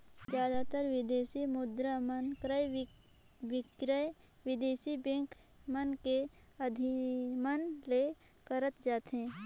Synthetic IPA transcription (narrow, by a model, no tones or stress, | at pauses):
d͡ʒjaːd̪at̪əɾʋɪd̪eːsimʊd̪ɾamənkɾəj | ʋɪɡɾəj | ʋɪd̪eːsibẽŋkʰ | mənke | əd̪ʱɪmənle | kəɾət̪d͡ʒaːt̪ɦẽː